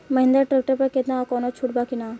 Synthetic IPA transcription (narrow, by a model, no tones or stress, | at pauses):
mɐɦɪ̃nd̪əɾʈɾek̚ʈəɾpɐɾket̪naakɔːnot͡ʃʰuʈ̚baːkinaː